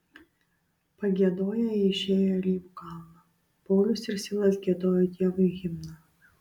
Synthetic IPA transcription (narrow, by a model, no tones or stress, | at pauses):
pɐɡʲiɛd̪oːjɛɪʃʲeːjolʲiːʋʊkɑˑlˠnɐ | pɔːlʲʊsɪɾsʲɪlˠɐsɡʲiɛd̪oːjɔt̪ʲiɛʋʊjɣʲɪmnɐ